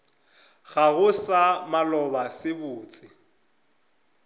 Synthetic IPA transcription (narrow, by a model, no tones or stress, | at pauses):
ɣaɣʊsamalɔbasɪbʊːt͡sʼɪ